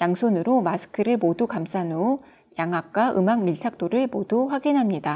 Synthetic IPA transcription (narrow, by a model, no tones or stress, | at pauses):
jaŋsʰonɯɾomasʰɯ̥kʰɯɾɯɭmodukams͈anu | jaŋɦak̚k͈aʔɯmaŋmiɭt͡ɕʰak̚t͈oɾɯɭmoduɸwaɡinɦamɲida